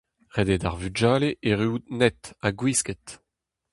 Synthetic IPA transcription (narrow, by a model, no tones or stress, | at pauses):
ʁed̪ed̪aʁvyd͡ʒaːleʔeʁyːd̪nɛt̪aɡwisket̪